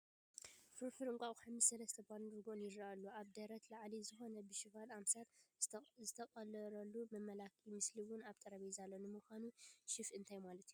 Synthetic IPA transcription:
fɨɾfɨɾɨŋkʼaʔʼħamɨsɐlɐst̪ʰɐband̪ɾɡonjɪd̪ɾalːuaβd̪ɐɾɐt̪laʕlizɨxo̞nɐbɨʃɪfalamsat̪zɨt̪ʰɐkʼɐlɐɾɐlːumɐmːɐlakʰimɨsliwʊnaβt̪ʼɐɾɐβizalːonɨmɨxʷanuʃɪfɨnt̪ʰajmalɐt̪ʰju

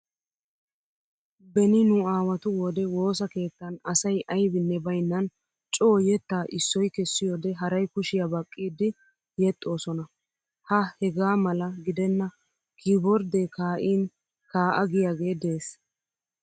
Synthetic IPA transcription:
bɛnɪnʊaːwɐt̪ʊwɔd̪ɛwo̞ːsɐke̞ːt̪ːɐnɐsɐjʔɐjbɪnːɛbɐjnːɐn | t͡ʃʼo̞ːjɛt̪ːaːʔɪsːɔjkɛsːɪjoːd̪ɛɦɐɾɐjkʊʃɪjabɐkʼːiːd̪ɪ | jɛt̪ʼːo̞ːsɔnɐ | hɐhɛɡaːmɐlɐɡɪd̪ɛnːɐ | kɪbɔɾd̪ekaːʔiːn | kaːʔɐɡɪjaːɡe̞ːd̪e̞ːs

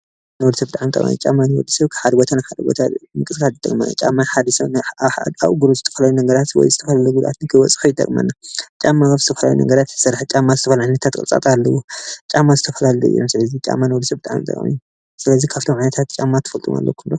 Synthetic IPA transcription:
nɐwd̪sɐbɨt̪ʼaʕamt̪ʼɐ̰kʼa̰mjṵt͡ʃʼamːanɨwɔd̪ɨsɐβkʰɨ̥ħad̪bot̪ʰanɨħad̪ɨbo̰t̪ʰat̪mɨkʼɨskʰalɨt̪ʼɐ̰kʼma̰nːa̰t͡ʃʼa̰mːaħad̪ɐsɐβnħa̰a̰βɡuɾozɨt̪ʰɐfɐlajunɐɡɐɾat̪wɔ̰jzɨt̪ʰɐfɐlaluɡud̪ʔa̰t̪nɨkʰɨwɔt͡sʼħujɨt̪ʼɐ̰kʼma̰nːat͡ʃʼamːaazɨt̪ʰɐfɐla̰jṵnɐ̰ɡɐɾat̪sɨɾħt͡ʃʼamːazɨt̪ʰɐfɐlʕajnɐt̪ʰat̪kʼɨ̰t͡sʼa̰t̪ʼalːɐwot͡ʃʼamːazɨt̪ʰɐfɐlalɐṵʔḭjːomsɨlɐzit͡ʃʼa̰mːanwɔd̪sɐβbɨt̪ʼaʕa̰mt̪ʼɐ̰kʼa̰mḭju | sɨlɐzikʰaβt̪ʰomʕajnɐt̪ʰat̪̚t͡ʃʼamːat̪ʰɨ̥fɐlt̪ʼṵma̰lːɐ̰kʰund̪o

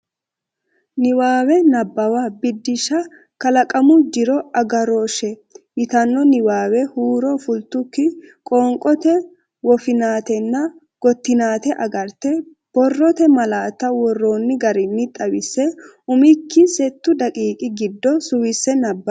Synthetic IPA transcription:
nɪwaːwɛnɐbːɐwabɪd̪ːɪʃɐ | kɐlɐkʼɐmʊd͡ʒɪɾɔɐɡɐɾoːʃɛjɪt̪ɐnːɔnɪwaːwɛhuːɾɔfʊlt̪ʊkːɪkʼoːŋkʼɔt̪ɛ | wɔfɪnaːt̪ɛnːɐ | ɡ̥ɔt̪ːɪnaːt̪ɛʔɐɡɐɾt̪ɛ | b̥ɔrːɔt̪ɛmɐlaːt̪ːɐwɔrːo̞ːnːɪɡɐɾɪnːɪt̪ʼɐwɪsːɛ | ʊmɪkːɪsɛt̪ːʊd̪ɐkʼiːkʼɪɡɪd̪ːɔsʊwɪsːɛnɐbːɐ

